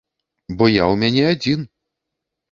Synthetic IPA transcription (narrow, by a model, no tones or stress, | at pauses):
bɔjawmʲanʲɛad͡zʲin